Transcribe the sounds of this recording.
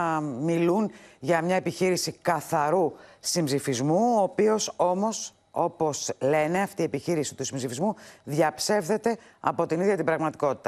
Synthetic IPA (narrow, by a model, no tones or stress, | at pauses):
milunʝɐmɲɐe̞piçiɾisikɐθɐɾusimbzifizmuoːpio̞so̞mo̞s | o̞po̞sle̞ne̞ɐft̪iepiçiɾisit̪usimbzifizmuðʝɐpse̞fðe̞t̪e̞ɐ̰po̞t̪iniðʝɐt̪ibɾɐɣmɐt̪iko̞t̪i̥t̪ɐ